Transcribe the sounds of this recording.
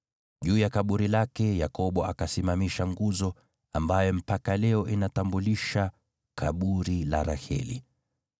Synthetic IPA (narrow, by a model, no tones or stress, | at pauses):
ʄuːjakaɓuɾilakɛjakɔɓɔakasimamiʃaŋɡuzɔ | ambajɔm̩pakalɛɔʔinatambuliʃa | kaɓuɾila̰ɾa̰hɛ̰lḭ